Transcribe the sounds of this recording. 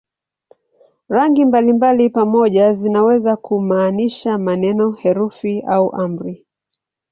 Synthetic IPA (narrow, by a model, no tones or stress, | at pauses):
ɾaŋɡimbalimbalipamɔʄazinawɛzakumaːniʃamanɛnɔhɛɾufiauʔam̩ɾi